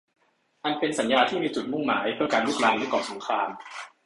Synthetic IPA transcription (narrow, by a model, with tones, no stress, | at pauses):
ʔa˧npe˧nsa˩˦njaː˧t̪ʰiː˥˩miː˧t͡ɕu˨˩t̪̚mu˥˩ŋma̰ː˩˦jpʰɯ˥˩ɐkaː˧nlu˥˩k̚laː˧nlɯ˦˥˩kɔː˨˩so˩˦ŋkʰɾaː˧m